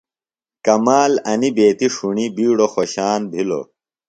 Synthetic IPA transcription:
kɐmaːlɐnibeːt̪iʂuɳibiːɽoxoɕaːnbʱilo̰

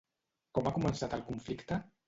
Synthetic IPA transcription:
kɔmakumənsat̪əlˠkuɱflikt̪ə

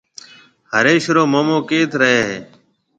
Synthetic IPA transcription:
ɦəɾeːʃɾoːmoːmõːkeːt̪ɾəɦeːɦeː

